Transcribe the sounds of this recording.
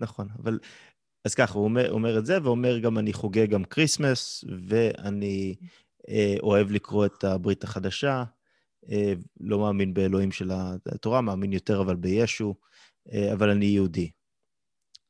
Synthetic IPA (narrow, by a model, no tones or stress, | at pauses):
naχo̞naval | az̥kaχaumeo̰me̞ʁetze̞veo̞me̞ʁɡamaniχoɡeɡamkʁismasve̞a̰ni | o̞e̞vlikʁo̞e̞tʰabʁitaχadaʃa | elo̞maːminbe̞elo̞imʃe̞lato̞ʁamaːminjo̞te̞ʁavalbe̞jeʃu | eavalanijeudi